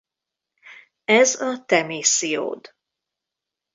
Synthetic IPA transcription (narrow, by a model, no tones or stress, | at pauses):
ɛzɒt̪ɛmeːsijo̰ːd̪